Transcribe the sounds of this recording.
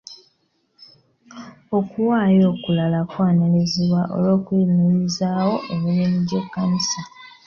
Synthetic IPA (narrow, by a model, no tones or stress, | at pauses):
o̞kuwaːjo̞ːkulalakwaːnileziβwaʔo̞̰lwo̞ːkwimiɾizaːwo̞ʔemuβiːniɟekːanisa